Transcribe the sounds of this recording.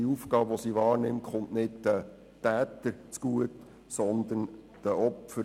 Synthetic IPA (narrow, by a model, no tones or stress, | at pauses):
ufɡɑːbʋɔsiʋɑːrnɪmχʊntnɪdd̪̥ə | tæːt̪əɾt͡sɡ̥uət | sɔnd̪ən | d̥əʔɔpfəɾ